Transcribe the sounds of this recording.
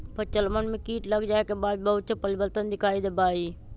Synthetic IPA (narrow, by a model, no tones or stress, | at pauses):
pʰət͡ʃəlmənmẽkiːʈləɡd͡ʒaːekeːbaːd̪̚bəɦʊt̪̚t͡ʃəpəlɪbəlt̪ənd̪ɪkʰaːid̪ebaːiː